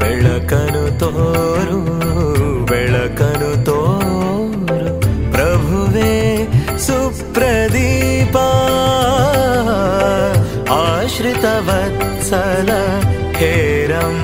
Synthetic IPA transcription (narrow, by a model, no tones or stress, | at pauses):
ʋɛɭɐkɐnut̪oːɾu | bɛɭɐkɐnut̪o | ɾupɾɐbʱuʋe | supɾɐd̪ipa | aːʃɾit̪ɐʋɐt̪ | sɐlɐ | heːɾɐm